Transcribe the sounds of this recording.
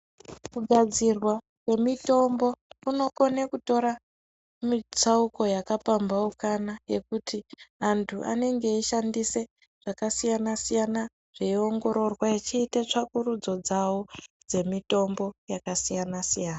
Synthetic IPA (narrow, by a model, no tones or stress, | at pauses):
kuɡʱad͡zirwa | kwe̞mito̞mbo̞uno̞konekuto̞ɾa | mit͡sauko̞jakapambaukanajekutiantʰuʔa̰ne̞ŋɡeiʃandise̞ | ʐ̥akasijanasijana | ʐ̥eio̞ŋɡo̞ɾo̞rwait͡ʃiːtet͡ʂakuɾud͡zo̞d͡zawod͡ze̞mito̞mbo̞jakasijanasijaːna